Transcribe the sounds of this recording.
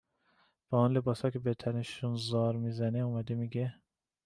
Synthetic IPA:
b̥æunlebɒːsɒːkʲʰebet̪ʰæneʃunzɒːɾmiːzæneumæd̪emiːɡe

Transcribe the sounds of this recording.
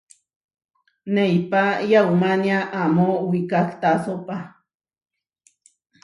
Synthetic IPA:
nejpajawmanjaʔːmowikakt̪asopa

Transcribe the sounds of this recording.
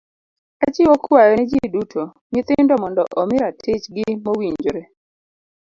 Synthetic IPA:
at͡ʃɪwɔkwajɔnɛd͡ʒidutʰo | ɲɪt̪ɪndɔmɔndɔʔɔmɪɾatʰɪt͡ʃɡɪmowiɲd͡ʒɾe

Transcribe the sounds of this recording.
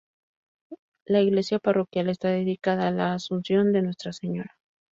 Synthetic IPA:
laiɣle̞sjaparo̞kjale̞st̪aðe̞ðikaðaːlaːsunsjo̞nd̪e̞nwe̞st̪ɾase̞ɲo̞ɾa

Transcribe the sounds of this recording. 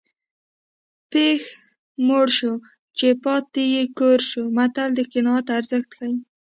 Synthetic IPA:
pex | moɽʃo | t͡ʃepɑt̪ːijekoɾʃumat̪ald̪əkɪnɑat̪aɾzəxt̪laj

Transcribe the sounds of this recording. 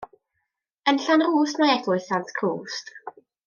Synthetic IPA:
ənɬanruːsmajɛɡlʊɨθanskʰruːst

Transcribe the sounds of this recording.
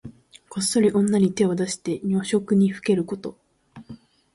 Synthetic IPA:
ko̞sːo̞ɾʲiʔõ̞nːaɲ̟it̪e̞o̞d̪aɕi̥t̪e̞ɲʲoːɕo̞kɯ̟ɲ̟iɸɯ̟̥ke̞ɾɯ̟ko̞t̪o̞

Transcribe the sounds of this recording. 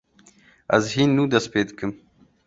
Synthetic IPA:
ɐ̰zɦinːũːd̪ɐsped̪kɨm

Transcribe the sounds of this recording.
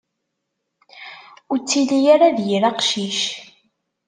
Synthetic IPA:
ʊt͡sːilijaɾaðjiɾaqʃiʃ

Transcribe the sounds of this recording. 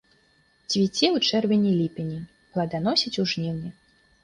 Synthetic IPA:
t͡sʲvʲit͡sʲiwt͡ʂɛrvʲenʲilʲipʲenʲi | plˠad̪anɔsʲit͡sʲuʐnʲiwnʲɛ

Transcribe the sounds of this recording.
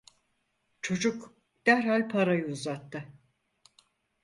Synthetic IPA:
t͡ʃʰo̞d͡ʒuk | d̪̥æɾhalʲpʰaɾajɯːzat̪ːɯ

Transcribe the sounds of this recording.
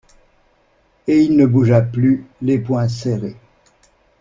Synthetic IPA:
eilnəbuʒaplylepwɛ̃seʁe

